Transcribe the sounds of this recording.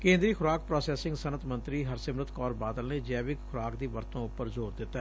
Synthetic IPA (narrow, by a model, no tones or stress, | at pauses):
kẽːnd̪ɾiːkʰʊɾaːk̚pɾɔːsɛːsɪ̃ŋɡsənət̪ʰmə̃nt̪ɾiːɦəɾsɪmɾət̪kɔːɾbaːd̪əlneːd͡ʒɛːʋɪkkʰʊɾaːkd̪iːʋəɾt̪õːʊppːəɾzoːɾd̪ɪt̪ːɛː